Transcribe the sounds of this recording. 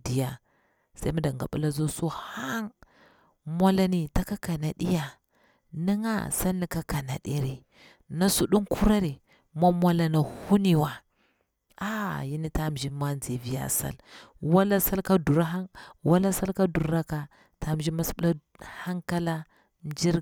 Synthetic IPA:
di˨ja˨ | sa˦mu˦da˨ŋɡa˨ɓṵ˦la˦zo˦su˦ha˦ŋ | mʷa˦la˦ni˨ta˦ka˦ka˨na˨ɗi˦ja˨ | ni˦ŋa̰˦sa˦lːi˨ka˦ka˨na̰˨ɗi˦ɾi˨ | na˦su˦ɗu˦ŋku˦ɾa˦ɾi˨ | ma˦mʷa˦la˨na˨hu˦ni˨wa˨ | a˨ji˦ni˦ta˦m˨ʒi˦ma˦nd͡zi˨vi˨ja̰˨sa̰˦˨lwa˦la˦sa˦lka˦du˨ɾa˦ɦa˦ŋwa˦la˦sa˦lka˦du˨ɾɾa˦ka˨ | ta˦m˨ʒi˦ma˦sɓu˦a˦ | ha˦ŋka˦la˦ | n˦d͡ʒi˦ɾ

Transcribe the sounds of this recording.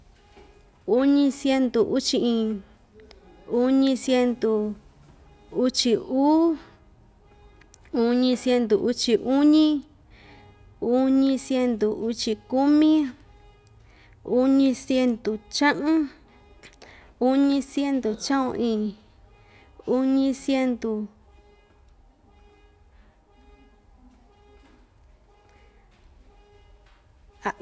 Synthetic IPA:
u˦ɲĩ˧sje˧nd̪u˨ʔu˦t͡ʃi˧ʔĩː˧ | u˦ɲĩ˧sje˧nd̪u˨ | u˦t͡ʃi˧uː˦ | u˧ɲĩ˧sje˧nd̪u˨ʔu˦t͡ʃi˧ʔu˦ɲĩ˦ | u˦ɲĩ˧sje˧nd̪u˨u˧t͡ʃi˧ku˦mĩ˦ | u˦ɲĩ˧sje˧nd̪u˨t͡ʃã˦ʔũ˦ | u˦ɲĩ˧sje˦nd̪u˨t͡ʃã˦õ̰˧ʔĩ˧˨ | u˦ɲĩ˧sje˧nd̪u˨ | a˨˧

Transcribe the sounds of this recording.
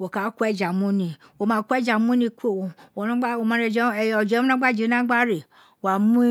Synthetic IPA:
wo˨ka˨˦ku˦ɛ˦˨d͡ʒa˨mũ˦nĩ˧wo˨mã˨˧˦ku˦ɛ˦d͡ʒa˨mũ˦nĩ˧ko˦˨wo˨nã˦ɡ͡ba˦o˨mã˨˦ɾɛ˧˨d͡ʒɛ˨˦˨ɔ˨d͡ʒɛ˨˦õ˦nã˦ɡ͡ba˦˨d͡ʒe˨˦nã˦ɡ͡ba˦ɾe˨ | wa˨mũ˦

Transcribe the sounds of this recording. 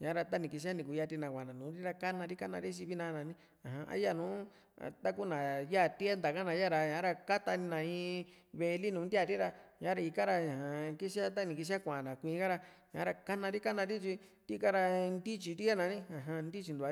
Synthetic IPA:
ɲã˨˦ɾa˧t̪a˦nĩ˨ki˧s̬i˦a˦nĩ˨ku˨˧ja˧t̪i˧nã˨kʷã˨nã˨nũ˨˦ɾi˦ɾa˧ka˦nã˧ɾi˦ka˦nã˧ɾi˦t͡ʃi˧βi˦nã˧˦˧nã˨˧nĩ˦ | ã˨ɦã˧ʔa̰˦ja˦˨nṵ̃ː˨˦˧ | t̪a˦ku˦nã˨ja˦˨t̪i˦a˦nd̪a˨ka˦nã˨˧˦ja˦˨ɾa˧ɲã˨˦ɾa˧ka˦t̪a˧nĩ˧nã˨ĩ˧ | βe˧li˦nũː˨˦nd̪i˦a˦˧˨ɾi˦ɾa˧ɲã˨˦ɾa˧i˧ka˦ɾa˧ɲã˨hã˨ki˦si˦a˦t̪̬a˦nĩ˨ki˧s̬a˦kʷã˨nã˨kʷĩː˧˦ka˦ɾa˧ | ɲã̰˨˦ɾa˧ka˦nã˧ɾi˦ka˦nã˧ɾi˦t͡ʃi˧t̪i˦ka˦ɾa˧nd̪i˦t͡ʃi˧ɾi˦a˦nã˨˦nĩ˦ã˨ɦã˧nd̪i˦t͡ʃi˧nd̪u˨a˧

